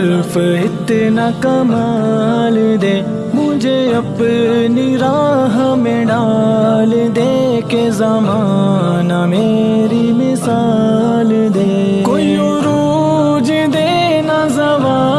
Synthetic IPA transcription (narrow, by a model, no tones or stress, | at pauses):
ɾfɪt̪nakɐmald̪eː | mʊ̃d͡ʒeɐpniɾaːɦamẽɖaːld̪ekezamaː | nameː | ɾimɪsa | l | d̪eː | koːi | oɾu | d͡ʒ | d̪e | nazɐʋaː